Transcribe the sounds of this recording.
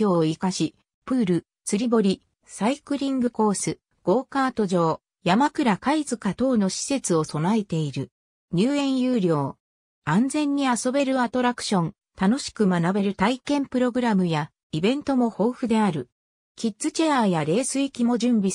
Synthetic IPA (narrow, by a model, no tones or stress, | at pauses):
o̞ːikaɕi | pɯ̟ːɾɯ̟ | t͡sɨɾʲibo̞ɾʲi | saikɯ̟ɾʲĩŋɡɯ̟ko̞ːsɨ | ɡ̥o̞ːkaːt̪o̞ʑo̞ː | jamakɯ̟ɾakaizɨkat̪o̞ːno̞ɕi̥se̞t͡sɨo̞so̞nae̞t̪e̞iɾɯ̟ | ɲ̟ɨːẽ̞ɰ̃jɯːɾʲjo̞ː | ãnd͡zẽ̞ɲ̟ːiaso̞be̞ɾɯ̟at̪o̞ɾakɯ̟̥ɕõ̞n | t̪ano̞ɕi̥kɯ̟manabe̞ɾɯ̟t̪aikẽ̞mpɯ̟ɾo̞ɡɯ̟ɾamɯ̟ja | ibẽ̞nt̪o̞mo̞ho̞ːɸɯ̟d̪e̞aɾɯ̟ | kʲitt͡sɨt͡ɕe̞aːjaɾe̞ːsɨikʲimo̞ʑɨ̃mbʲi